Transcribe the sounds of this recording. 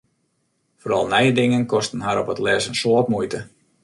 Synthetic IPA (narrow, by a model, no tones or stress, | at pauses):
foːɾɑlˠnɛjədɪŋənkɔstənɦaɾɔpətlɛsənsoːt̚mujtə